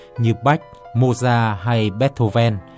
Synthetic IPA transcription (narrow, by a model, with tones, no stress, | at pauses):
ɲɨ˨˩p̚ɓa˦˥jk̟̚mo˧˩zaː˧˩ɦa˧jɓɛ˦˥t̚t̪ʰo˧˩vɛ˧n